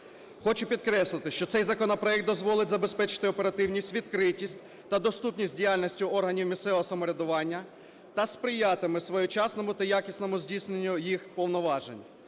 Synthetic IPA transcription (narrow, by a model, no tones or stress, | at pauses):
xɔt͡ʃʊpʲid̪kɾɛslˠɪt̪ɪʃt͡ʃɔt̪sɛjzɐkɔnɔpɾɔɛk̚d̪d̪ɔzʋɔlˠɪtʲzɐbespɛt͡ʃɪ̥t̪ɪɔpeɾɐt̪ɪwnʲisʲtʲʋʲid̪kɾɪtʲisʲtʲ | t̪ɐd̪ɔst̪upnʲisʲtʲdʲijalʲnʲisʲtʲʊɔrɦɐnʲiwmʲisɛʋɔɦɔsɐmɔɾʲɐd̪ʊʋɑnʲːɐ | t̪ɐspɾɪjɑt̪ɪmɪsʋɔjʊt͡ʃɑsnɔmʊt̪ɐjakʲisʲnɔmʊzʲdʲisʲnenʲːʊjixpɔwnɔʋɑʒenʲ